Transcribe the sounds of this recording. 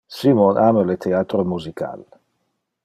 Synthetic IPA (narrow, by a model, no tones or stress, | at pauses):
simɔnʔaməlet̪ʰeaːt̪ɾomuzikʰa̰l